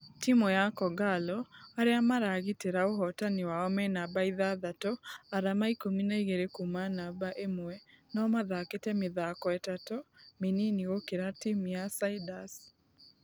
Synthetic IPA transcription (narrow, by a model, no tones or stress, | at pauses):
timojakɔɡalɔaɾeamaɾaɣiteɾaoɦɔtaniwaɔmɛnabaiðaðatɔaɾamaikominaiɣeɾekumanabaʔemwɛnɔmaðaketɛmɪðakɔɛtatɔmeniniɣokeɾatimujasaidas